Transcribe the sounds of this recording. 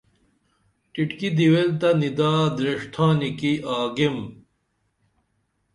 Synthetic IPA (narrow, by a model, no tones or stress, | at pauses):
ʈiʈkid̪iwelt̪ɐnid̪aːd̪ɾeʂʈ̪ʰãːnikiʔaːɡim